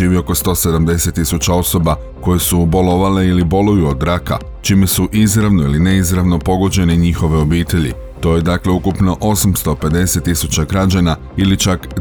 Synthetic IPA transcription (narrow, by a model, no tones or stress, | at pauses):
iːʋio̞ko̞st̪o̞ːse̞d̪amd̪e̞se̞t̪ːisut͡ɕao̞so̞ba | ko̞jesubo̞lo̞ʋale̞ilibo̞lujuod̪ɾaka̰ | t͡ʃime̞suʔizɾaʋno̞iline̞izɾaʋno̞po̞ɡo̞d͡ʑe̞neɲixo̞ʋe̞o̞biːt̪e̞ʎḭ | t̪o̞je̞d̪akle̞ukupno̞ʔo̞samst̪o̞pe̞d̪e̞set̪ːisut͡ɕaɡɾad͡ʑana | ilit͡ʃak